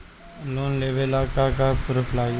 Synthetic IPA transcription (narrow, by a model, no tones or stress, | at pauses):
loːnleːʋlaːkakaːkʊɾəfʰlaː